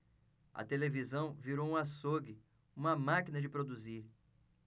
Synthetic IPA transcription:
ɐ̰t̪elevizɐ̃w̃viɾowũasoɡɪ | ũmɐmakinɐd͡ʒɪpɾod̪uziɾ

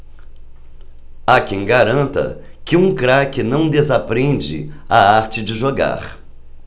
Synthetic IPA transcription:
akẽj̃ɡaɾɐ̃nt̪ɐ̰ | kɪũkɾakɪnɐ̃w̃d̪ezapɾẽd͡ʒɪ̰aaɾt͡ʃɪd͡ʒɪʒoɡa̰ɾ

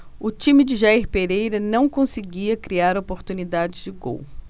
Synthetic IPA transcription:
ʊt͡ʃĩmɪd͡ʒɪʒaiɾpeɾejɾɐnɐ̃w̃kõsɪɡiɐkɾiaɾopoɾt̪unid̪ad͡ʒɪzd͡ʒɪɡo̰w

